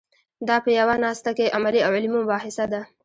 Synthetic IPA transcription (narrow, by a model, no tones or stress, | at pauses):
d̪ɑpəjawanɑst̪akeʔamaliawʕɪlmimʊbɑhɪsad̪a